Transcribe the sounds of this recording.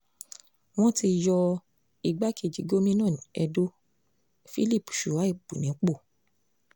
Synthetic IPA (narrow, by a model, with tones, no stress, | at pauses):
w̃ɔ̃˦ti˧jɔ˧ | i˨ɡ͡ba˨˦ki˦˨d͡ʒi˨˦ɡo˦mĩ˦nãː˦˨nĩ˨ɛ˧do˦ | fi˦li˦˨pu̥˨ʃu˨wa˨˦i˦˨bu˨nĩ˨˦k͡po˦˨